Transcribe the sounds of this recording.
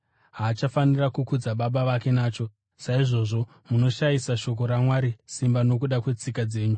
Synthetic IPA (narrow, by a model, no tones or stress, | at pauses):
ɦaːt͡ʃafanirakukud͡zaɓaɓaʋake̞naːt͡ʃo̞ | saiʐo̞ʐo̞ | muno̞ʃajisaʃo̞k̬o̞ɾamwaɾisimbano̞k̬uɗakwe̞t͡sikad͡ze̞ːɲu